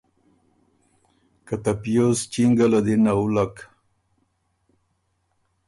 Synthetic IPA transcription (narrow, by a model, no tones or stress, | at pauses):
kat̪apijost͡ʃiŋɡalad̪inaulak